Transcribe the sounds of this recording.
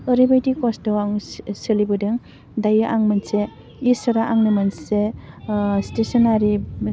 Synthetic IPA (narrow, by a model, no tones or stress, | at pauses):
əɾibajdikɔsdɯwaŋsɯlibɯdɯŋ | dajɯʔaŋmɐnse | isɯɾaʔaŋnɯmɐnse | stesɔnaɾi